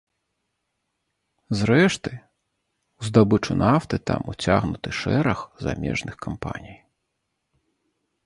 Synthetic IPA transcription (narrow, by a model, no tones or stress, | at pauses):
zɾɛʂt̪ɨ | uzd̪abɨt͡ʂunaft̪ɨt̪a̰mut͡sʲaɣnut̪ɨʂɛɾɐxza̰mʲɛ̰ʐnɨxkampa̰nʲij